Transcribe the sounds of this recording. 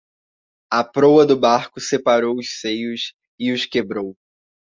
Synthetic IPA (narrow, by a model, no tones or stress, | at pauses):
ɐpɾowɐd̪ʊbaɾkʊsepaɾowʊssejʊs | ɪʊskebɾow